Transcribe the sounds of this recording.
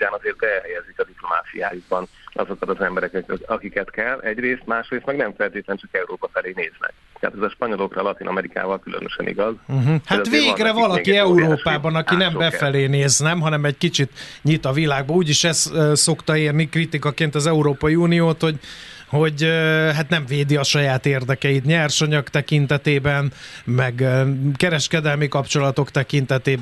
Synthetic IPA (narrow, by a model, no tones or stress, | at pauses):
uaːnɒzeːrt̪̚bɛɛlɦɛjɛzikɒd̪iploma̰ːt̪sija̰ːjuɡbɒnʔɒ̰zo̞kɒt̪ɒzɛmbɛɾɛkɛkɒkikɛt̪kɛlːɛɟreːst̪maːʃreːst̪mɛɡnɛɱfɛlt̪eːt̪lɛnt͡ʃɒkɛuɾoːpɒfɛleːneːznɛ̰k̚ | t̪ɛɦa̰t̪ɛzɒʃpɒɲo̞lo̞krɒlɒt̪inɒmɛɾika̰ːvɒlkylø̰nø̰ʃɛ̰nḭɡɒz̩ɦ̩hat̪veːɡrɛvɒlɒkiɛuuɾoːʃpaːbɒnɒkinɛmbɛfɛleːneːznɛmɦɒnɛmɛɟkit͡ʃit̪ɲit̪ɒvilaːɡ̚bɒuːɟiʃɛsso̞kt̪ɒeːrnikrit̪ikɒkeːnt̪ɒzɛuɾoːpɒjiuːnijoːt̪ho̞ɟ | ho̞ɟøɦat̪nɛɱveːd̪iɒʃɒjaːt̪eːrd̪ɛkɛjit̪ɲɛrʃoɲɒkt̪ɛkint̪ɛt̪eːbɛnmɛɡkɛɾɛʃkɛd̪ɛlmikɒpt͡ʃo̞lɒt̪o̞kt̪ɛkint̪ɛt̪eːb